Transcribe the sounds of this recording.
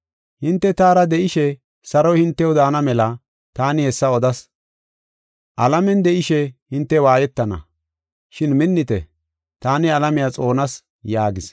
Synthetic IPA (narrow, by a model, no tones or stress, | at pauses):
hɪnt̪ːɛt̪aːɾɐd̪ɛʔɪʃɛ | sɐɾɔjhɪnt̪ːɛwd̪aːnɐmɛlɐ | t̪aːnɪhɛsːɐɔd̪ɐs | ʔɐlɐmɛnd̪ɛʔɪʃɛhɪnt̪ːɛwaːjɛt̪ːɐnɐ̰ | ʃɪnmɪnːɪt̪ɛ̰ | t̪aːnɪɐlɐmɪjat͡sʼo̞ːnɐs | jaːɡɪs